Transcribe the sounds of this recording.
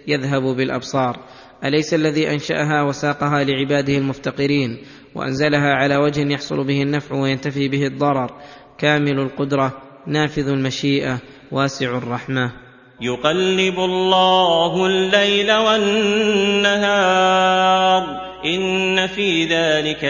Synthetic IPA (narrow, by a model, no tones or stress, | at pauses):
jaðɦabbɪlʔɑ̰bsˤɑːɾˤ | ʔalajsalːaðiːʔanʃa̰ʔaɦaːwasɑːqɑɦaːlɪʕɪbaːd̪ɪhalmʊft̪aqɪɾiːn | wa̰ʔa̰nzalaɦaːʕalaːwad͡ʒhɪnjɑħsˤʊ̰lbɪhanːafʕwajant̪afiːbɪhɪd̪ˤːɑɾˤɑɾˤ | kaːmɪlalqʊd̪ɾˤɑ | naːfɪðalmaʃiːʔa | waːsɪʕrˤːɑħma | jʊqɑlːɪbʊlːɑːhlːajlawanː | aɦɑː | ɾˤ | ʔɪnːafiːðaːlɪka